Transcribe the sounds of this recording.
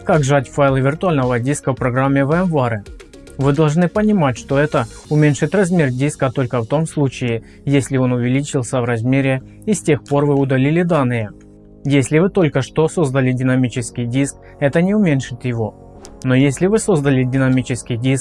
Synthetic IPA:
kaɡʐatʲfajlˠɨvʲɪrt̪ʊalʲnəvədʲiskəfpɾɐɡɾamʲːɪvəɛmvaɾɨ | vɨd̪ɐlˠʐnɨpənʲɪmatʲʂt̪o̞ɛt̪ə | ʊmʲenʲʂɨt̪ʲrɐzmʲe̞rdʲiskət̪o̞lʲkəft̪o̞mslˠut͡ɕɪɪ | jesʲlʲɪo̞nʊvʲɪlʲit͡ɕɪlˠsʲəvrɐzmʲeɾʲɪ | isʲtʲe̞xpo̞rvɨʊd̪ɐlʲilʲɪd̪anːɨjə | jesʲlʲɪvɨt̪o̞lʲkəʂt̪o̞so̞zd̪əlʲɪdʲɪnɐmʲit͡ɕɪskʲɪjdʲisk | ɛt̪ənʲɪʊmʲenʲʂɨt̪jɪvo̞ | no̞jesʲlʲɪvɨso̞zd̪əlʲɪdʲɪnɐmʲit͡ɕɪskʲɪjdʲisk̚

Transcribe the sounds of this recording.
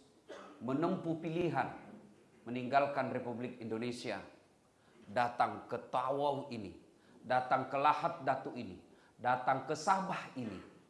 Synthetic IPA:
mənəmpupiliɦan | məniŋɡalkanrepublɪkindonesia̰ | dat̪aŋkət̪awawinḭ | dat̪aŋkəlahat̪̚dat̪uʔinḭ | dat̪aŋkəsabahinḭ

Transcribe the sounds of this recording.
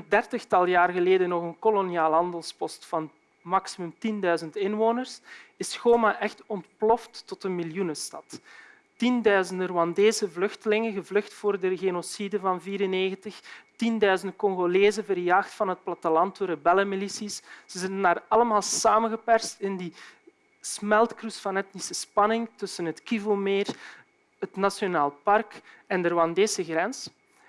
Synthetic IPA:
əndɛrtəxtɑlˠjaːrɣəleːdənɔxənkoloniaːlˠɦɑndəlˠspɔstfɑn | mɑksimʉmtindœɥzəntɪnʋoːnərsɪsxoːmaʔɛxtɔntplɔftːɔtənmiljunəstɑt | tindœɥzəndərowɑndeːzəvlɵxtəlɪŋəɣəvlɵxtfoːrdəɣeːnosidəvɑnviːɾəneːɣəntəxtindœɥzəndəkɔŋɣoleːzənvərjaːxtfɑnɦət̚plɑtəlɑntoːrəbɛləmilisisz̥əzɪtənaːrɑləmaːlˠsaːmənɣəpɛrstɪndi | smɛlˠtkrusfɑnɛtnisəspɑnɪŋtɵsənɦətkivəlˠmeːr | ɦətnasjonaːlˠpɑrkɛndəroɑndeːsəɣrɛns

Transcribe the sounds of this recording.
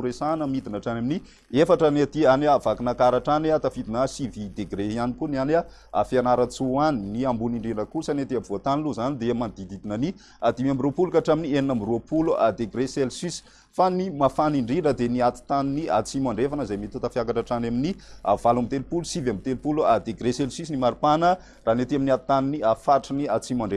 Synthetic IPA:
uɾesanəmid̪inaʈ͡ʂanamini | efaʈ͡ʂəniat̪ianːvakinakaɾaʈ͡ʂaniat̪afid̪inəsivid̪eɡɾeianikuniana | a̰fianaɾat͡suaniniambuniɳɖ͡ʐiɖ͡ʐəkusanet̪iabvoat̪aniluzanid̪emand̪id̪id̪inani | ad̪imambiɾupulukaʈ͡ʂaminieninambiɾuəpulua̰d̪eɡɾeselsis | fanimafaniɳɖ͡ʐinəd̪eniat̪i̥t̪aninia̰t͡simaɳɖ͡ʐefanəzajmit̪ut̪afjakaʈ͡ʂaʈ͡ʂanaminia̰valambit̪elupulusivambit̪elpuluad̪eɡɾeselsisinimaɾupanə | raɦnet̪iaminiat̪i̥t̪aniniafaʈ͡ʂəniat͡simaɳɖ͡ʐe

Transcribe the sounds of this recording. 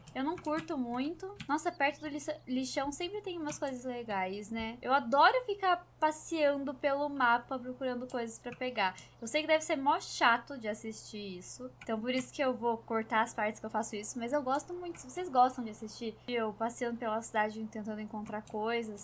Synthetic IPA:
ewnɐ̃w̃kuɾt̪ʊmũj̃t̪ʊnɔsɐpɛɾt̪ɐd̪ʊliliʃɐ̃w̃sẽmpɾɪt̪ẽj̃ũmɐskojzɐzleɡajsnɛewad̪ɔɾʊfikapasiɐ̃nd̪ʊpelʊmapɐpɾokuɾɐ̃nd̪ʊkojzɐspɾɐpeɡaewsejkɪd̪ɛvɪseɾmawʃat̪ʊd͡ʒɪasist͡ʃiisʊ̃t̪ɐ̃w̃poɾisʊ̥kɪewvokoɾt̪aɐspaɾt͡ʃɪskewfasʊisʊmɐzewɡɔst̪ʊmũj̃t̪ʊ̥sɪvosezɡɔst̪ɐ̃w̃d͡ʒɪasist͡ʃiewpasiɐ̃nd̪ʊpelɐsid̪ad͡ʒɪ̃t̪ẽnt̪ɐ̃nd̪ʊẽŋkõnt̪ɾaɾkojzɐs

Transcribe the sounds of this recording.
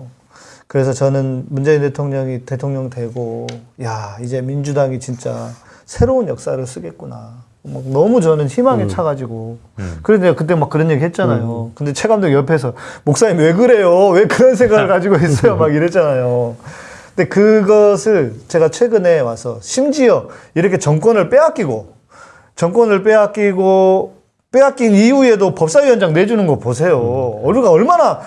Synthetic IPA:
kɯɾe̞s̬ʰʌt͡ɕʌnɯnmund͡ʑe̞inte̞tʰoŋɲʌŋitetʰoŋɲʌŋdwe̞ɡojaid͡ʑe̞mind͡ʑudaŋit͡ɕint͡ɕ͈a | sʰe̞ɾounjʌk̚s͈aɾɯɭs͈ɯɡe̞t̚k͈una | mak̚nʌmut͡ɕʌnɯnçimaŋet͡ɕʰaɡad͡ʑiɡo | kɯɾenakɯt͈emak͈ːɯɾʌnje̞ɡiɦe̞t̚t͡ɕ͈anajokɯnde̞t͡ɕʰe̞ɡamdɯɡjʌpʰe̞s̬ʰʌmok̚s͈aɲiwe̞ɡɯɾe̞jowe̞kɯɾʌns̬ʰe̞ŋɡaɡɯɭkad͡ʑiɡois͈ʌjomaɡiɾet͡ɕ͈anajo | kɯnde̞kɯɡʌsʰɯɭt͡ɕe̞ɡat͡ɕʰwe̞ɡɯne̞wasʰʌɕʰimd͡ʑiʌiɾʌkʰe̞t͡ɕʌŋk͈wʌnɯɭp͈e̞ak͈iɡo | t͡ɕʌŋk͈wʌnɯɭp̬͈e̞ak͈iɡo | p͈e̞ak͈iniue̞dopʌp̚s͈aijʌnd͡ʑaŋne̞d͡ʑunɯnɡʌpos̬ʰe̞joʌɾuɡaʌɭmana

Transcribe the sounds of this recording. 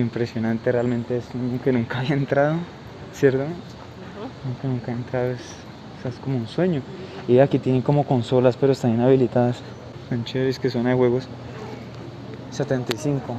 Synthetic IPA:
impɾe̞sjo̞nãnt̪e̞realmẽ̞nt̪eesweɲoke̞nũŋkaːβiaent̪ɾaðo | sje̞ɾt̪o | ke̞nũŋkaent̪ɾaðoes | seaesko̞mounswe̞ɲo̞iakit̪je̞neŋko̞mo̞ko̞nso̞laspe̞ɾoest̪aninaβilit̪aðas | ant͡ʃeiskesonaxwe̞ɣo̞s | set̪ent̪ajsiŋko

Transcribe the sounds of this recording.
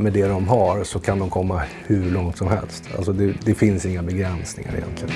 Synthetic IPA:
mɛd̪ɛd̪ɔmɦaɾsɔkʰand̪ɔmkʰɔmːahʉɭɔŋt̪sɔmhɛ̰lst̪a̰lsɔd̪ɛd̪ɛfɪnsɪŋːabɛɡɾɛnsnɪ̰ŋa̰ɾɪ̰jɛ̰nt̪ʰlɪɡən

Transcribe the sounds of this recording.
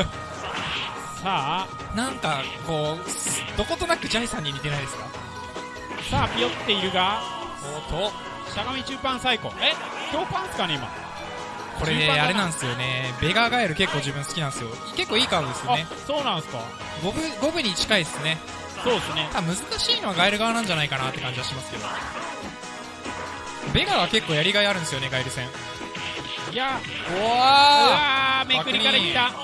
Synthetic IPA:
saː | nãŋkako̞ːsd̪o̞ko̞t̪o̞nakɯ̟d͡ʑaisãɲ̟ːimʲit̪e̞naid̪e̞sɨ̥ka | saːpʲijot̪ːe̞iɾɯ̟ɡa | soːt̪ʰo | ɕaɡamʲit͡ɕɨːpãɰ̃saiko̞̰e | t͡ɕo̞ːpãñsɨ̥kaneima̰ | kʰo̞ɾe̞d̪eaɾe̞nãɰ̃sɨjo̞ne̞be̞ɡaɡaeɾɯ̟ke̞kːo̞ːd͡ʑɨbɯ̟̃ɰ̃sɨ̥kʲinãsɨjo̞ike̞kːoːiːkaɯ̃d̪esɨoane | soːnãñsɨ̥ka̰ | ɡobɯ̟ɡo̞bɯ̟ɲ̟it͡ɕi̥kaisɨne̞ | soːd̪sɨnet̪aamɯ̟zɨkaɕiːno̞βaɡaeɾɯ̟ɡaβanãɲd͡ʑanaikanat̪ːe̞kãɲ̟d͡ʑiβaɕimasɨ̥ke̞d̪o̞̰ | be̞ɡaɡake̞kːo̞ːjaɾʲiɡaeaɾɯ̟nesɨjo̞ne̞ɡaiɾɯ̟sẽ̞ŋ | jaoaamekɯɾiaɾait̪ːa

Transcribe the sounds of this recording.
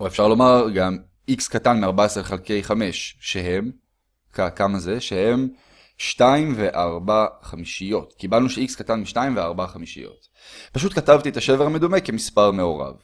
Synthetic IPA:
oefʃaʁlo̞maʁɡam | ikskatanmiaʁbaesʁeχelke̞jχame̞ʃʃeɦe̞m | kakamaze̞ʃehe̞m | ʃtaimve̞ʔaʁbaχamiʃijo̞tkibalnuʃeikskatanmiʃtaimveaʁbaχamiʃḭjo̞̰t | paʃ̬utkatavt̪iet̪aʃe̞veʁame̞dumeke̞mispaʁme̞o̞ʁa̰v

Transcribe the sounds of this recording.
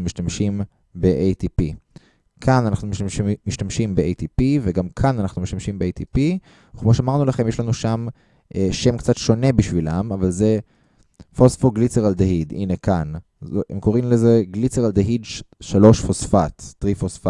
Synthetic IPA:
umiʃtamʃim | beʔejt̪ipi | kʰananaχnummiʃtamʃimbeʔejt̪ipiveɡamkʰananaχnumiʃtamʃimbeejt̪ipi | ukmoʃ̬ɛamaʁnulaχe̞mjeʃlanuʃam | ʔeʃe̞mkt͡satʃo̞ne̞biʃvilamavalze | fosfoɡlit͡seʁald̪eɦid̪ḭnekan | zḛmko̞ʁimleze̞ɡlit͡seʁald̪eɦidʃalo̞ʃfosfat̪ːʁifosfa

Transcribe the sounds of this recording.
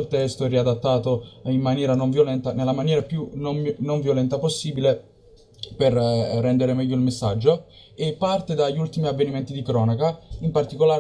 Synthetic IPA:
lt̪ɛst̪oɛrːiad̪at̪ːaːt̪oimːanjɛːɾanoɱvjolɛnt̪anelːamanjɛːɾapjunomnoɱvjolɛnt̪aposːiːbile | perːɛnd̪eɾemɛʎːoilmesːad͡ʒːo | epːart̪ed̪aʎːult̪imiavːenimɛnt̪id̪ikɾɔːnakaimpart̪ikolaː

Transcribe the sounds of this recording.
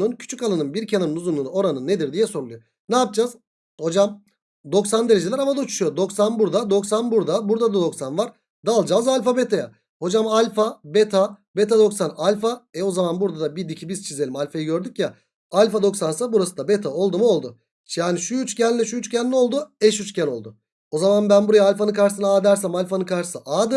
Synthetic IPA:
uncʰy̥t͡ʃʰykalˠanɯnbiɾcʰananɯnuzunˠunuo̞ɾanɯnːed̪iɾd̪ijɛsoɾlˠujo | naːp̚d͡ʒaːz | ho̞d͡ʒam | d̪o̞ksand̪e̞ɾed͡ʒelʲæɛɾamad̪aut͡ʃʰu̥ʃujod̪o̞ksanbuɾd̪ad̪o̞ksanbuɾd̪abuɾd̪ad̪ad̪o̞ksanvaɾ̥ | d̪aːlˠd͡ʒaːzalʲfabet̪ʰaja | ho̞d͡ʒamalʲfabet̪ʰabet̪ʰad̪o̞ksanalʲfaɛo̞zamanbuɾd̪ad̪abid̪icʰibiz̥t͡ʃʰize̞lʲimalʲfajiɟø̞ɾd̪ycja | alʲfad̪o̞ksansabuɾasɯd̪abet̪ʰao̞lˠd̪umuo̞lˠd̪ʊ | ʃjaːniʃuyt͡ʃcʰænlʲɛʃuyt͡ʃcʰænːʲɛo̞lˠd̪uɛʃyt͡ʃcʰæno̞lˠd̪ʊ | o̞zamanbænbuɾajaːlʲfanɯkaɾʃsɯnaːd̪æɾsæmalʲfanɯkʰaɾʃɯ̥sɯʔaːd̪ɯ

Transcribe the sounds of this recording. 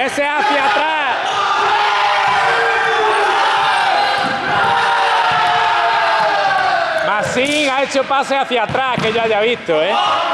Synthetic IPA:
eseaθjat̪ɾa | massiŋaet͡ʃopaseaθjat̪ɾakeʝoaʝaβist̪oe

